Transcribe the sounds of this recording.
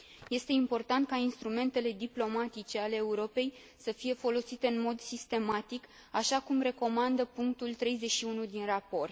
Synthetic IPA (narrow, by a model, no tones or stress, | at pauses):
je̞st̪e̞impo̞rt̪ant̪̚kainst̪ɾume̞nt̪e̞le̞d̪iplo̞mat̪it͡ʃe̞ale̞ːuɾo̞pe̞j | səfije̞fo̞lo̞sit̪e̞ɨnmo̞d̪sist̪e̞mat̪ik | aʃakumre̞ko̞mand̪əpuŋk̚t̪ult̪ɾe̞jze̞ʃiunud̪inrapo̞rt̪